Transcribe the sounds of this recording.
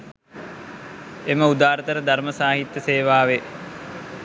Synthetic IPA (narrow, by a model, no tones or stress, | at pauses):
eməud̪aːɾət̪əɾəd̪arməsaːɦit̪jəseːʋaːʋe